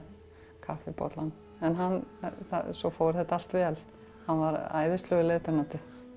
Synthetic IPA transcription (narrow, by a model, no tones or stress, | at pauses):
kʰafɪpɔ̰t̪lanː | ɛnɦanːθa̰sɔfoːwɾɾθɛht̪aal̥t̪vɛːl | hanːvaɾa̰ːjðɪst̪lœɣɪleːt̪aɾnat̪ɪ